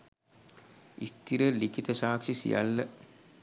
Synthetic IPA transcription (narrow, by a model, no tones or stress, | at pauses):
ḭst̪iɾəlikit̪əʃaːkʂisḭja̰lːə